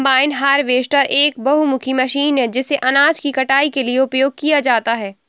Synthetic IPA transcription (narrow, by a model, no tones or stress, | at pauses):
baːɪnɦaːɾʋeːsʈəɾʔeːkbɐɦumʊkʰimɐʃiːnɦɛ̃d͡ʒɪseʔɐnaːd͡ʒkikɐʈaːikelieʊpjoːɡ̚kijad͡ʒaːt̪aɦɛː